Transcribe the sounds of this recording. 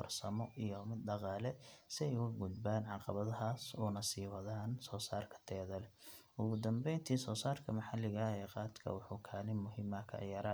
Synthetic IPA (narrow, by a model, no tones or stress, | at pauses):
fɐ̰rsɐmɔʔijɔmɪd̪ɖɑqɑːlɛsɪɛjkʊɡʊd̪baːnʕɑqɑβɐðɐɦaːsuːnɐsiːwɐðaːnsɔːsaːrkʰɐ̥t̪ʰɛːðɐlɛ | ʊɣʊd̪ɐmbɛjnt̪ʰiːsɔːsaːrkʰɐmɐħɑlɪɣɐɛːqɑːd̪kʰɐ̰wɑħuːkʰaːlɪmːʊɦiːmɐkʰɐ̰ʕjɐɾɐ